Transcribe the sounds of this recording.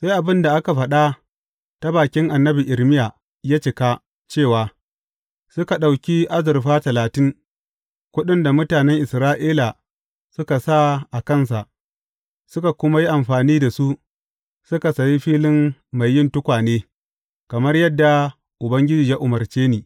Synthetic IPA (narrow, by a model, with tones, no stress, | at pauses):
sa˦jʔa˨bɪ˦nda˨ʔa˦ka˨ɸɐ˨ɗa˦ | ta˦baː˨kʲɪ˦ŋʔa˨nːɐ˦bi˨ʔɪ˨ɾmɪ˦ja˨ | ja˦t͡ʃɪ˨ka˦ | t͡ʃeː˦˨waː˨ | sʊ˦ka˨ɗa˨wkʲi˦ʔa˦zɪ˨rɸaː˦tɐ˨laː˨tɪ˦ŋ | kʷʊ˦ɗɪ˦nda˨mʊ˦taː˨nɛ˦ŋʔɪ˨sɾaː˦ʔiː˦la˨ | sʊ˦ka˨sa˦˨ʔa˨kɐ˦˨ns̬a˨ʔ | sʊ˦ka˨kʷʊ˦ma˦ji˦ʔa˨mɸaː˨niː˦da˨su˦ʔ | sʊ˦ka˨sa˨ji˦ɸiː˦lɪ˦mːa˨jːɪ˦ntʊ˦kʷaː˨neː˦ | kɐ˨mɐ˦rjɐ˦dːa˨ | ʔʊ˨bɐ˦ŋɡʲɪ˦d͡ʒiː˨ja˦ʔʊ˨mɐ˨rt͡ʃeː˦niː˨